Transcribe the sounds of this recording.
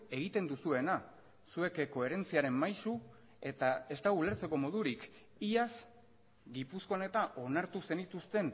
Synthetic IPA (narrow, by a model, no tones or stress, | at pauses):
e̞ɣ̞it̪e̞nd̪usue̞na | sue̞kko̞e̞ɾe̞nt͡siaɾe̞mmajsu | e̞t̪ae̞st̪aɣule̞ɾt͡se̞ko̞mo̞ðuɾik | iaz | ɡipusko̞one̞t̪aʔo̞naɾt̪use̞nit̪ust̪e̞n